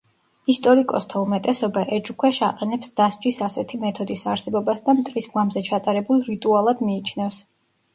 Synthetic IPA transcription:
ist̪ʼɔɾikʼɔst̪ʰaumɛt̪ʼɛsɔbaʔɛd͡ʒukʰwɛʃaqʼɛnɛpsd̪̥asd͡ʒisasɛt̪ʰimɛt̪ʰɔd̪isaɾsɛbɔbasd̪amt̪ʼɾisɡwamzɛt͡ʃʰat̪ʼaɾɛbulˠɾit̪ʼualˠad̪miːt͡ʃʰnɛfs

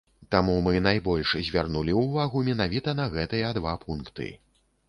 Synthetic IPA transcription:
t̪amumɨnajbɔlʲʂzʲvʲarnulʲiwvaɣumʲɛnavʲit̪ɐnɐɣɛt̪ɨjɐd̪vapʰunkt̪ɨ̰

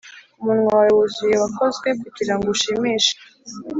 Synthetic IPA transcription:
umuːnŋuaaɾawuzujewako̞zɡwe̞kuɟiɾaŋɡuuʃimiːʃḁ

